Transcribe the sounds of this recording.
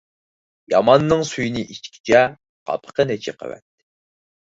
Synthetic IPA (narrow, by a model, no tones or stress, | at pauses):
jɑmɑnːɨŋsujinɪʔit͡ʃkʲʰi̥t͡ʃʰɛ | qʰɑ̰pʰə̥qʰənɛt͡ʃʰɛ̰qʰə̰wɛ̰t̪ːɪ̥